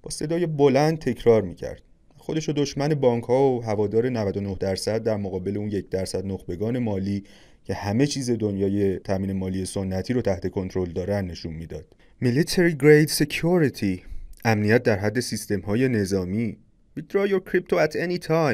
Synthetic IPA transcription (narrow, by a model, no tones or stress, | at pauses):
b̥ɒ̰ːse̞d̪ɒːje̞bo̞lænd̪̚t̪ʰe̞cʰɾɒːɾmiːcʰæ̰ɾd̪̥̚ | æxo̞d̪e̞ʃod̪oʃmæne̞bɒːŋkʰhɒːoɦævɒːd̪ɒːɾe̞nævæd̪onohd̪æɾsæd̪̚ːæɾmoɣɒːbe̞le̞uːnje̞cʰd̪æɾsæd̪noχbe̞ɡɒːne̞mɒːliː | cʰe̞hæme̞t͡ʃʰiːze̞d̪o̞njɒːje̞t̪ʰæmiːne̞mɒːlije̞sonːæt̪ʰiːɾot̪ʰæht̪e̞kʰo̞nt̪ʰɾo̞ld̪ɒːɾænd̪ːe̞ʃunmiːd̪ɒːd̪̥ | milit̪ʰeɾiɡɾejd̪secʰuɾit̪ʰiʔæmnijæt̪̚d̪æɾɦæd̪ːe̞sist̪e̞mhɒːje̞ne̞zɒːmiː | bid̪ɾɑjoɾkʰɾip̚t̪ʰoæt̪ʰenit̪ʰɑjm